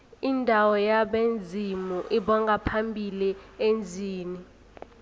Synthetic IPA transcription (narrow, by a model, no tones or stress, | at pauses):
indʱawɔjaɓend͡zʱimuʔiɓɔŋɡʱapʰambʱiliend͡zʱiːni